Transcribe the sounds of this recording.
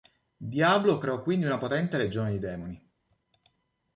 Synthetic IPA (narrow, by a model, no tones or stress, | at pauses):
d̪jaːblokɾeɔkːwind̪iunapot̪ɛnt̪eɾed͡ʒoːned̪id̪ɛːmoni